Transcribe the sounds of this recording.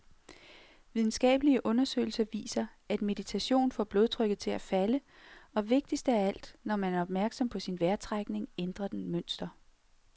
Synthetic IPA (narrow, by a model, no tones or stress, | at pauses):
ʋið̞ˠn̩sɡ̥ɛ̰ːb̥əliəʔɔ̽nɐsø̰ːɪl̩sɐʋḭːsɐ | æd̥me̝dð̥it͡sʰæɕo̝̰ːnfɒ̰ːb̥lo̝ð̞ˠt͡sʰʁœɡ̥ð̩ˠt͡sʰe̝læfæləɒ̽ʋe̝ɡ̥̚d̥isd̥æɐæl̰d̥nɒmænæɐɒ̽b̥mæɐɡ̥sɒ̽mpʰɒ̽sinʋæɐt͡sʰʁaɡ̥ne̝ŋend̥ʁɐd̥enmøn̰sd̥ɐ